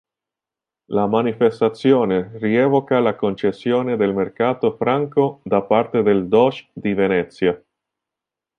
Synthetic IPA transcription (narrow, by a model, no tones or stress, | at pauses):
lamanifest̪at̪sːjɔːneriɛːvokalakont͡ʃesːjoːned̪elmerkaːt̪ofɾaŋkod̪apart̪ed̪eld̪ɔt͡ʃd̪ivenɛt̪sːja